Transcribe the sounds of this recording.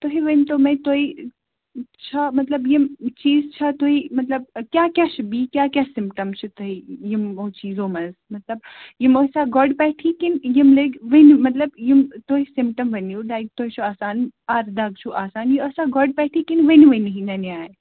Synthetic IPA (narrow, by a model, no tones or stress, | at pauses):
t̪oɦiʋɐnt̪oːmẽt̪oːi | t͡ʃʰamɐt̪lɐbjimt͡ʃiːzt͡ʃʰɐt̪oɦimɐt̪lɐb̚kjaːkjaːʃbiːkjaːkjaːsɪmpʈɐmt͡ʃʰut̪oɦijimot͡ʃiːzõːmɐzmɐt̪lɐb̚jimosaɡɔɖpɛʈʰikɪnjimleːɡʋɐnmɐt̪lɐbjimt̪oɦisɪmpʈəmʋɐnjuːlaːjk̚t̪oɦit͡ʃʰuaːsaːnɐɾd̪aɡ̚t͡ʃʰuʔaːsaːnjiɐsaɡɔɖpɛːʈʰiːkinʋɐnʋɐnɦĩnɐnaːe